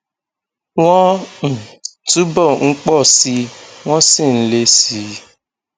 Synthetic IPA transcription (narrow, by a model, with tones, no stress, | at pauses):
w̃ɔ̃˦m̩̃˦˨tu˦bɔ˦˨ŋ̩˦k͡pɔ˦˨si˨˧w̃ɔ̃˦si˦˨n̩˦le˧si˨˦